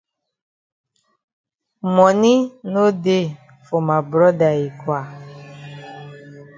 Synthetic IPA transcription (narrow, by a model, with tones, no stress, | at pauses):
mɔ̃˨nĩ˦no˦de˦ | fo˨mã˨bɾɔ˦da˨i˨kwa˨